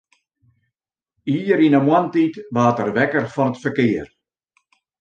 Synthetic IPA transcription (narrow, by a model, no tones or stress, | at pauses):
iːɾinəmwantitʋaːtərʋɛkərfɔnətfərkɪːər